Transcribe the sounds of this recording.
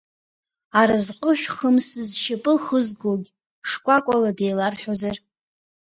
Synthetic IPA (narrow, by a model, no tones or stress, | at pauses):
aɾazqʼəʃʷᶣχəmsɨzʃapʼɨχəzɡoɡʲ | ʂkʷʼakʷʼaladejlarħʷᶣozar